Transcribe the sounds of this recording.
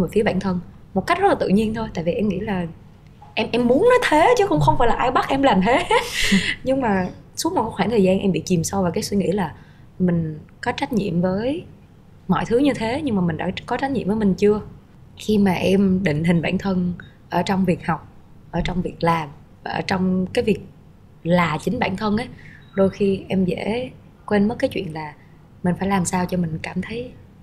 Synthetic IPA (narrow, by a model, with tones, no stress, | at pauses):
m̚˨˩fi˨˦ɓaː˧˨nt̪ʰə˧n | mo˨˩a˦˥k̚zə˦˥t̚la˨˩ɨ̰˧˨ɲi˧ənt̪ʰo˧jt̪a̰ː˧˨jvi˨˩ʔɛ˧mŋḭ˧˥laː˨˩ | ʔɛ˧mʔɛ˧mːu˨˦ənnɔ˨˦jt̪ʰe˨˦t͡ɕɨ˨˦˥kʊ̰˧wŋ͡mxə˧wfaː˧˩jlaː˨˩ʔaː˧jɓa˦˥t̚ʔɛ˧mlaː˨˩mt̪ʰe˨˦ | ɲɨ˧ŋmaː˨˩su̥˨˦˥k̚o˨˩kːɔː˨˦˥kxwaː˧˩t̪ʰəː˨˩jzaː˧nʔɛ˧mɓḭ˧˨t͡ɕi˨˩msa˧wvaː˨˩kaː˨˦swi˧ŋḭ˧˥laː˨˩ | mï˨˩ŋ̟kɔ˨˦t͡ɕa˦˥k̟̚ɲḭ˧˨əmvəː˨˦j | mɔ̰˧˨jt̪ʰɨ˨˦ɲɨ˧t̪ʰe˨˦ɲɨ˧ŋmaː˨˩m˨˩ŋ̟ɗa̰ː˧˥kɔ˨˦t͡ɕa˦˥j̚ɲḭ˧˨mvəː˨˦jmï˨˩ŋ̟t͡ɕɨ˧ə | xi˧maː˨˩ʔɛ˧mɗḭ̈˧˨ŋ̟hï˨˩ŋ̟ɓa̰ː˧˩nt̪ʰə˧n | ʔəː˧˩t͡ɕɔ˧wŋ͡mvi˨˩ək̚hɔ˨˩wk͡p̚ | ʔəː˧˩t͡ɕɔ˧wŋ͡mvi˨˩ək̚laː˨˩m | vaː˨˩ʔəː˧˩t͡ɕɔ˧wŋ͡mkaː˨˦jvi˨˩ək̚ | laː˨˩t͡ɕï˨˦ŋ̟ɓa̰ː˧˩nt̪ʰə˧nʔə˨˦jɗo˧jxi˧ʔɛ˧mzḛ˧˥ | kwe˧nmə˦˥t̚kːaː˨˦t͡ɕwḭ˧˨ənlaː˨˩ | mï˨˩ŋ̟faː˧˩jlaː˨˩msaː˧wt͡ɕɔ˧mï˨˩ŋ̟kaː˧˩mt̪ʰə˨˦j